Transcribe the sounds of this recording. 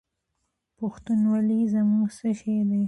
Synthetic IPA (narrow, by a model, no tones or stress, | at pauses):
pʊxt̪unwalizamuɡsəʃed̪aj